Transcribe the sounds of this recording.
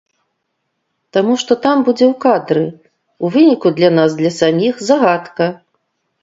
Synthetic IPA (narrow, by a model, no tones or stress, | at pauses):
t̪amuʂt̪ɔt̪ambud͡zʲɛwkad̪ɾɨ | uvɨnʲikud̪lʲanazd̪lʲɐsamʲixzaɣat̪kɐ